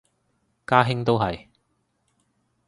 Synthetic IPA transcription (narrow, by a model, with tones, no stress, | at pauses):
kaː˥ɦɪ˥ŋt̪̬o˥wɦɐ˨j